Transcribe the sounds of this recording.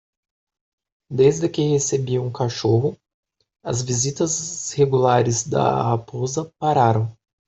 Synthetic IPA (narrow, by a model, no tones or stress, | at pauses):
d̪ezd̪ɪkɪhesebiɐũkaʃoɦʊ | ɐ̰zvizit̪ɐzheɡulaɾɪzd̪ɐ̰hapozɐpaɾaɾɐ̃w̃